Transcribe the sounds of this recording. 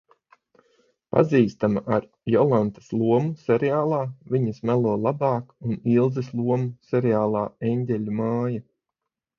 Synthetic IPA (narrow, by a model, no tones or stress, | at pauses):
pa̰ziːst̪amaʔaɾ | jɔlˠant̪ḁslˠuɔmusɛɾeaːlˠaːviɲɐsmælˠuɔlˠabɑːkunilˠzislˠuɔmusɛɾɛaːlˠaːeɲd̪ʲɛlʲumaːja